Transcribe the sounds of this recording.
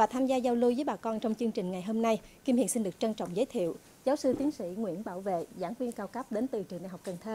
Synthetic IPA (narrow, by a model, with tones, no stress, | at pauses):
vaː˨˩t̪ʰaː˧mzaː˧za˧wlu˧jvəː˨˦jɓaː˨˩kɔ˧nt͡ɕɔ˧wŋ͡mt͡ɕɨ˧əŋt͡ɕï˨˩ŋ̟ŋa˨˩jɦo˧mna˧jki˧mhḭ˧˨ənsi˧nɗɨ˨˩ək̚t͡ɕə˧nt͡ɕɔ̰˧˨wŋ͡mzə˨˦jt̪ʰḭ˧˨əw | zaː˨˦wsɨ˧t̪i˨˦ənsḭ˧˥ŋwḭ˧˥ənɓaː˧˩wvḛ˧˨zaː˧˩ŋkwi˧nkaː˧wkə˦˥p̚ɗe˨˦nt̪ɨ˨˩t͡ɕɨ˨˩na̰˨˧˩ɦa˨˩k͡p̚kə˨˩nt̪ʰəː˧